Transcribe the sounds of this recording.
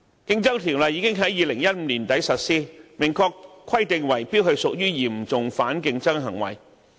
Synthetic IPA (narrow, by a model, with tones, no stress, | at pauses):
kɪ˧ŋt͡sɐ˥wt̪ʰiː˨˩wlɐ˨˧jiː˨˧˥kɪ˥ŋɦɐ˨˥jːiː˨˧lɪ˨˩ŋjɐ˥t̚m̩ː˨˧niː˨˩nt̪ɐ˨˥jsɐ˨t̚siː˥mɪ˨˩ŋkʰɔː˧kʰwɐ˥jt̪ɪ˨˧ŋwɐ˨˩jpi˥t̚hɵ˧ɥsʊ˨k̚jyː˥jiː˨˩m̩˨˩t͡sʊ˨ŋfaː˨˥nkɪ˧ŋt͡sɐ˥ŋɦɐ˨˩ŋwɐ̰˨˩j